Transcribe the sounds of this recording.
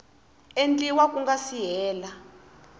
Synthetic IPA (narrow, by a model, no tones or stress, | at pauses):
ent͡ɬʼiwak̬ʼuŋɡasijɛːla